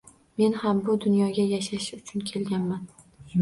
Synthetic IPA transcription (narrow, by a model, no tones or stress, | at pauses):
me̞nhambʊd̪ʊnjɒɡʲajaʃaʃʊt͡ʃʰʊnkʲʰe̞lɡʲanman